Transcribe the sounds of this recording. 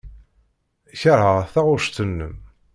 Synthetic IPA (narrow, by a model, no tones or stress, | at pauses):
çəɾˤəʁθæʁʊɾʃt̪ənːəm